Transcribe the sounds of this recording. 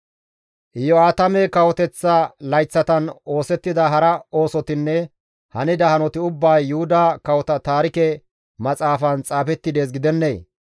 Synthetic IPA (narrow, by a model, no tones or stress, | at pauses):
ʔɪjːɔaːt̪ɐmekɐwɔt̪ɛt͡sːɐlɐjt͡sːɐt̪ɐno̞ːsɛt̪ːɪd̪ɐɦɐɾɐo̞ːsɔt̪ɪnːɛ | hɐnɪd̪ɐhɐnɔt̪ɪʊbːɐjːʊhʊd̪ɐkɐwɔt̪ɐt̪aːɾɪkɛ | mɐt͡sʼaːfɐnt͡sʼaːfɛt̪ːɪd̪eːs̬ɡɪd̪ɛnːeː